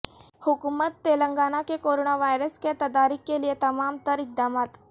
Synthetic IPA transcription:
hukumət̪ːelə̃ŋɡaːnakekoɾoːnaʋaːjɾəsket̪ɐd̪aːɾɪkːelijet̪ɐmaːmt̪əɾɪk̚d̪aːmaːt̪

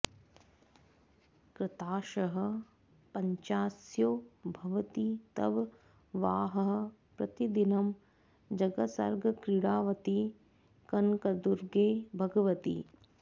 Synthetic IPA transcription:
kɾɪt̪aːʃɐɦɐ̆ | pɐɲt͡ʃaːsjoːbʱɐʋɐt̪it̪ɐ̰ʋ | ʋaːɦɐɦɐ̆ | pɾɐt̪id̪inɐm | d͡ʒɐɡɐsɐ̰ɾɡɐkɾiɽaːʋɐt̪i | kɐnkɐd̪uɾɡeːbʱɐɡɐʋɐt̪ḭ

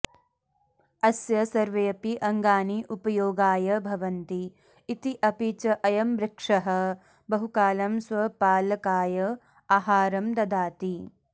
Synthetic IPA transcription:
ɐsjɐsɐɾʋejɐpiʔɐŋɡaːniʔupɐjoːɡaːjɐbʱɐʋɐnt̪iː | t̪iʔɐpit͡ʃɐʔɐjɐmbɾɪkʂɐɦɐ | bɐɦukaːlɐmsʋɐpaːlɐkaːjɐ | aːɦaːɾɐmd̪ɐd̪aːt̪i

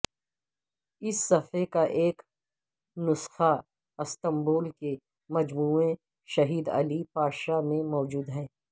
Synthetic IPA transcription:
ɪsːɐfekaʔeːk | nʊsxa | ɪst̪ə̃mboːlke | mɐd͡ʒmuːẽ | ʃɐɦiːd̪ɐ̰lipaːʃamẽmɔːd͡ʒuːd̪ɦɛː

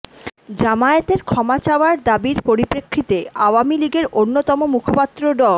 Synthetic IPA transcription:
d͡ʑamaet̪eɾkʰɔmat͡ɕaoaɾd̪abiɾpoɾipɾekʰɾit̪eaoamiliɡeɾʔonːot̪ɔmomukʰopat̪ːɾoɖɔ

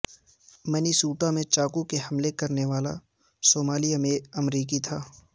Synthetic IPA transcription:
mɐnisuːʈamẽt͡ʃaːkukeɦɐmlekɐɾneʋaːla̰ | soːmaːlijamẽɐmɾiːk̬it̪ʰaː

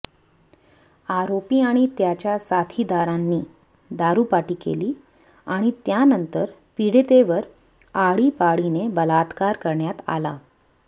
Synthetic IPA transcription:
aɾopiːaɽ̃it̪jat͡ɕjasat̪ʰid̪aɾãnːiː | d̪aɾuːpaʈiːkḛliː | aɽ̃it̪janənt̪əɾpiɽt̪eʋəɾ | aɭiːpaɭinebəlat̪kaɾkəɾɳjat̪a̰la̰

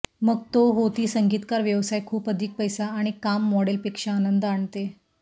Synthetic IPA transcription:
məɡ̚t̪oɦot̪iːsəŋɡiːt̪kaɾʋjəʋsajkʰuːpəd̪ʱik̚pəjsaːɽ̃ikamːɔɽelpekʂaːnənd̪əaɳt̪e

